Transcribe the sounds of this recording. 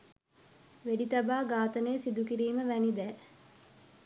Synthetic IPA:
ʋeɖit̪abaːɡaːt̪ənejːsid̪ukiɾiːməʋænid̪ɛː

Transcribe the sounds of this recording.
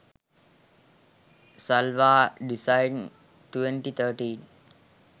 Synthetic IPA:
salʋaːɖisaɪn | ʈʋẽɳʈit̪ʰəɾʈĩːn

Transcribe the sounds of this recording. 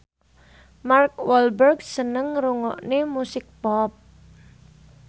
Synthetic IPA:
markwɔlbərɡsənəŋɾuŋɔ̰ʔnemusɪk̚pɔp̚

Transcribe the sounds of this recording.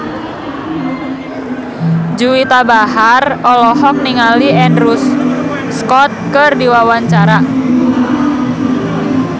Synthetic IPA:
d͡ʒuwit̪abaharɔlɔhɔk̚niŋaliʔɛnrusː | kɔt̪̚kərdiwawaɲt͡ʃaɾa

